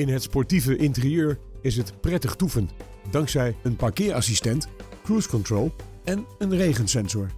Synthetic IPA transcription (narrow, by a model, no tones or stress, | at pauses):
ɪnɦətspɔɹtivəʔɪntərijøːɹɪs̬ɦətprɛtəχtufən | dɑŋksɛjənpakɪːɹɑ̰sistɛntkruskɔntrolˠ | ɛnənrejχənsɛnzɔɹ